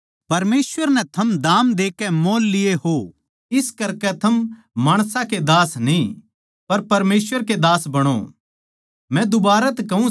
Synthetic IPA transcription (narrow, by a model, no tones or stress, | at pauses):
pɐɾmeːswəɾnɛ̃t̪ʰɐmd̪aːmd̪eːkɛmoːlːɪjeɦo | ɪskɐɾkɛt̪ʰɐm | maːɽ̃sãked̪aːsnĩ | pɐɾpɐɾmeːswəɾked̪aːsbɐɽ̃o̰ | mɛ̃d̪ʊbaːɾat̪ɛkɐũ